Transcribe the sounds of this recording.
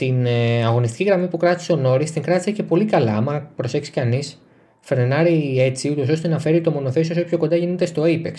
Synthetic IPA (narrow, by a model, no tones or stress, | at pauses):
t̪inɐɣo̞nist̪cʲiɣɾɐmipukɾɐt̪i̥seo̞no̞ɾist̪iŋkɾɐt̪i̥sece̞po̞likɐlɐɐmɐpɾo̞se̞ksi̥kɐnis | fe̞ɾenɐɾie̞t͡siut̪o̞so̞st̪e̞nɐfe̞ɾit̪o̞mo̞no̞θe̞siooço̞ko̞nd̪ɐʝinet̪e̞st̪o̞ipek